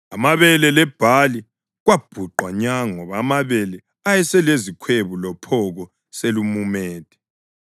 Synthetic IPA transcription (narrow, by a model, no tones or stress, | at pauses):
amaβɛlɛlɛb̥ʱali | ɣwab̥ʱuǃwaɲaŋɔβaːmaβɛlɛ | ajɛsɛlezikʰweβulɔpʰɔɣɔ | selumumeːd̥ʱʼɛ̥